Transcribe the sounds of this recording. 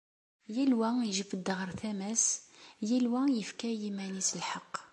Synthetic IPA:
jælwæiʒəfəd̪ːəʁəɾˤθæmæsjælwæjəfkæjimænisəlħɑqː

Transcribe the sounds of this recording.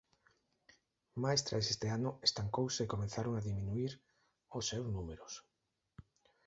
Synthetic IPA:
maest̪ɾaesest̪eanʊest̪aŋkowseːkomẽnθaɾoŋaðimĩnuiɾ | osːewznumeɾʊs

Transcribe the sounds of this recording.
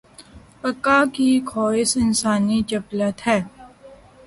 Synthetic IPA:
pəkːakikʰɔːɪsɪnsaːnit͡ʃɐblət̪ɦɛː

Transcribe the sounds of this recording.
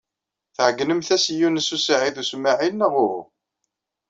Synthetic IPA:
θʕəɡːnəmθæsjunəsusʕiðusmaʕinːəʁʊɾʊ̰

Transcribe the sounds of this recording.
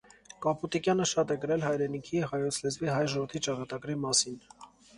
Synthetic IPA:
kɑput̪ikjɑnəʃɑt̪ɛkəɾɛlɦɑjɾɛnikʰihɑjɔt͡sʰlɛzviɦɑjʒɔvəɾt̪ʰit͡ʃɑkɑt̪ɑɡɾimɑsin

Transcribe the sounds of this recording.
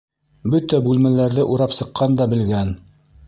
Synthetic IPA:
bɵt̪æbʉlmælæɾðɘʔuɾɑpsɤ̆qːɑnd̪ɑbɘ̆lɡæn

